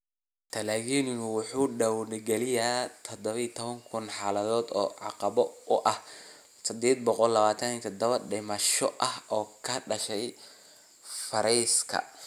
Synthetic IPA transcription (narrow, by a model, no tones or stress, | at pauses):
t̪ʰɐlɛːɣiːnwʊħuːɖɐwnɪɡɛlɪjat̪ʰɔd̪ɔβɐit̪ʰɔβɐŋkʰʊnħaːlɐðɔːd̪ɔ̰ːʕɑ̰qɑβɔʊʔɐh | sʰɐd̪ɛːd̪̚bɔqɔlːɐβaːt̪ʰɐniːt̪ʰɔd̪ɐβɐɖɪmɐʃɔʔɐhɔːkʰɐɖɐʃɛj | fɐɾɛjskʰɐ̰